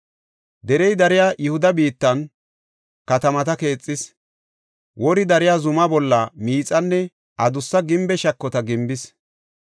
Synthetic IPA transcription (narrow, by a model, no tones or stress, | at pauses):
d̪ɛɾɛjd̪ɐɾɪjaːjʔʊhʊd̪ɐbiːt̪ːɐn | kɐt̪ɐmɐt̪ɐke̞ːt͡sʼːɪs | wɔɾɪd̪ɐɾɪjaːzʊmɐbɔlːɐmiːt͡sʼɐnːɛ | ʔɐd̪ʊsːɐɡɪmbɛʃɐkːɔt̪ɐɡɪmbɪs